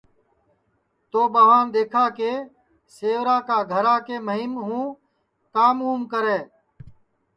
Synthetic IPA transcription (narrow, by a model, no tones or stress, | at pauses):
t̪oːɓəɦaːnd̪eːkʰaːkeː | seːʋɾaːkaːɡʱəɾaːkeːməɦɪmɦũː | kaːmuːmkəɾeː